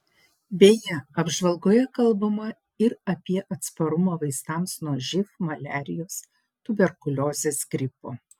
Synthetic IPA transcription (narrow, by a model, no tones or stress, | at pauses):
bʲeːjɛɐbʒʋɐlˠɡoːjɛkɐlˠbɐmɐ | ɪɾɐpʲiɛʔɐt̪spɐɾʊmɐʋɐɪst̪ɑːmsnuɔʒʲɪfmɐlʲæːɾʲɪjoːs | t̪ʊbʲɛɾkʊlʲoːzʲeːsɡɾʲɪpoː